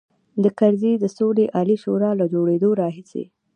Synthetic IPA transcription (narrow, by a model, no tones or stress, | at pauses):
d̪əkaɾzed̪əsoleʔɑliʃoɾɑlad͡ʒoɽed̪oɾɑɦisḛ